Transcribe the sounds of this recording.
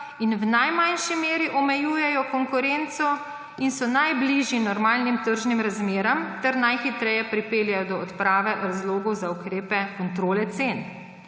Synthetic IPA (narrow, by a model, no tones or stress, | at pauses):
inwnajmanʃimeːɾiʔɔmɛjuːjɛjɔkɔŋkʊɾent̪sɔ | insɔnajbliʒjinɔɾmaːlnimt̪əɾʒnimɾazmeːɾɐmt̪ɛɾnajxit̪ɾɛjɛpɾipeːljajɔd̪ɔːt̪pɾaːʋɛɾazloːɡɔwzaukɾeːpɛkɔnt̪ɾoːlɛt̪sen